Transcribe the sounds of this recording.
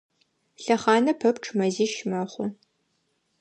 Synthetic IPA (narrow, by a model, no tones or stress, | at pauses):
ɬɐχɑːnɐpʰɐpʈ͡ʂʰʼmɐziːʃmɐχʷʊ